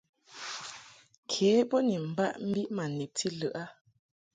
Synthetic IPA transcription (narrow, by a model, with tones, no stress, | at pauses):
kʰeː˨˦pɔ˦ni˨m̩˨ba˦ʔm̩˦bi˦ʔma˨ni˨p̚ti˦lɯ˨ʔa˦